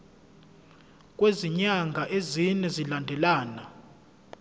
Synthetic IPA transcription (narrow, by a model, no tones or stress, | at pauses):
kʼweziɲaŋɡʱaʔezinɛzilandʱɛlaːna